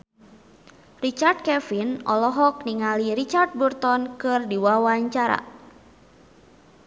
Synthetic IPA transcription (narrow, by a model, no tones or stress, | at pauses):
rit͡ʃard̪̚kɛfinʔɔ̰lɔɦɔk̚niŋalirit͡ʃart̪̚burt̪ɔnkɨrdiwawaɲt͡ʃaɾa̰